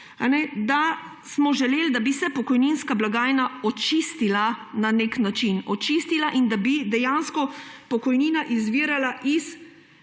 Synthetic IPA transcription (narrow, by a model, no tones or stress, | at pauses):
a̰nɛd̪a | smɔʒɛleːld̪abisɛpɔkɔjninskablaɡaːjnaɔt͡ʃist̪ilananeknat͡ʃinɔt͡ʃist̪ilaʔind̪abid̪ɛjanskɔpɔkɔjniːnaʔizʋiːɾalaʔis